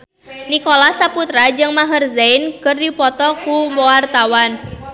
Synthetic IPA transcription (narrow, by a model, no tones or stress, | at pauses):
nikolasaput̪ɾad͡ʒɨŋmaɦərzeɪnkərdipɔt̪ɔkumowart̪awan